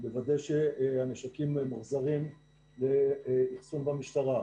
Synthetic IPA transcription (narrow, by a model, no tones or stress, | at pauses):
bevadejʃeaneʃakimmuχzaʁim | leiχsunbamiʃtaʁa